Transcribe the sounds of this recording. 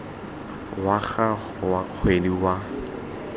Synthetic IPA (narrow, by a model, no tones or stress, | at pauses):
waɣa | ak͡xʰweniwa